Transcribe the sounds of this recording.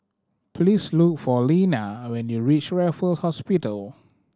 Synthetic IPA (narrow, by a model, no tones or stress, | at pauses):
pʰlislukfɔlĩnawɛ̃njuɹit͡ʃɹɛfəlhɔspitəl